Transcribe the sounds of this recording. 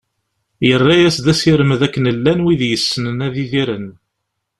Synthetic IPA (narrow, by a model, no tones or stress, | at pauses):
jərˤːajæsðæsiɾəməðækːənəlːænwiðjəsːənənæðiðiɾən